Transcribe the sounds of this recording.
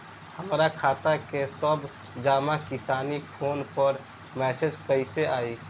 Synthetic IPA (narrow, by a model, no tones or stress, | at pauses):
həmɾakʰaːt̪akesəb | d͡ʒaːmakɪsaːnipʰoːnpəɾ | mɛːsed͡ʒkəɪseʔaːi